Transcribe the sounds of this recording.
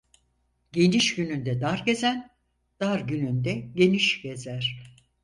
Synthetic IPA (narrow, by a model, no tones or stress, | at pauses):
ɟe̞niʃɟynynd̪ɛd̪aɾɟe̞zæn | d̪̥aɾɟynynd̪ɛɟe̞niʃɟ̥e̞zæɾ̥